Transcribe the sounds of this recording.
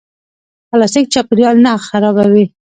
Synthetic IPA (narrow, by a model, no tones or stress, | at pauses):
alɑsɪk̚t͡ʃɑpɪɾjɑlnaxaɾɑbawi